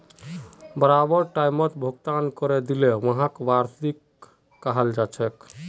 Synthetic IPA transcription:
bəɾabəɾʈaimət̪bʱoɡt̪ankɔɾed̪ileʋəɦãkʋaɾt̪ikː | aɦəld͡ʒat͡ʃʰɛk

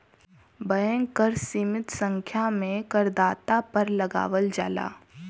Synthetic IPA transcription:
bəjə̃ŋɡkəɾsiːmɪt̪sə̃ŋkʰjamẽkəɾd̪aːt̪apɐɾlɐɡa̰ːʋəld͡ʒa̰ːla̰ː

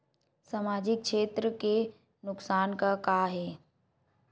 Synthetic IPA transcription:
samaːd͡ʑɪk̚kʰʃeːt̪ɾəke | nʊksaːnkakaɦeː

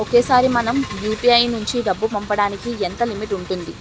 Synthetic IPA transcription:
okeːsaːɾimɐnɐmjuːpiɐjnuɲt͡ʃiɖɐbːupɐmpɐɽaːnikient̪ɐlimiʈuɳʈund̪i

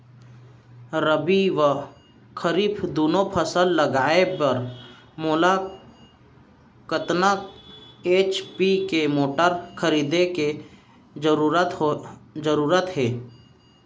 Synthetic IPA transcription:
ɾəbiʋə | kʰəɾiːpʰd̪oːnopʰəsəlːəɡaːepəɾ | moːla | kət̪na | eːt͡ʃpikemoːʈəɾkʰəɾiːd̪eke | ɾɾət̪d͡ʒəɾuːɾət̪ɦeː

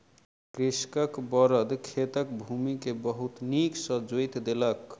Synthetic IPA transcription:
kɾiskəkbɔɾəd̪kʰet̪ək̚bʱumikebʌɦut̪niksʌd͡ʒojt̪d̪elʌk

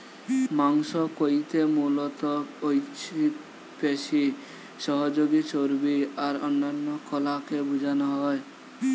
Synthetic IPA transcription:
maŋsɔkojt̪emulɔt̪ɔojt͡ʃʰi | peʃi | ʃɔɦɔd͡ʒoɡit͡ʃoɾbiaɾɔnːanːɔkʰolakebud͡ʒʱanɔɦɔe

